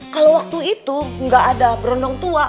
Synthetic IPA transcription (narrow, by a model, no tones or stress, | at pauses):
kalawwak̚t̪uit̪uŋɡaʔːdabəɾɔndɔŋt̪ua